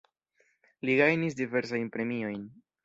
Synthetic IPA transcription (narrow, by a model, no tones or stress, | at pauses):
liɡajnis̬dive̞ɾs̬ajnpɾe̞mio̞jn